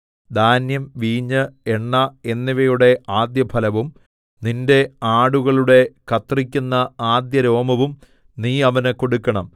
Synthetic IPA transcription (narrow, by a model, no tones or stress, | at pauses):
d̪ʱaːnjɐmʋiːɲːɨeɳːɐe̞nːiʋɐjuɽe̞ʔaːd̪jɐpʰɐlɐʋum | ninde̞aːɽuɣɐɭuɽe̞kʰɐt̪rikʲːunːɐaːd̪jɐɾo̞ːmɐʋum | niːɐʋɐnɨkoɽukːɐɳɐm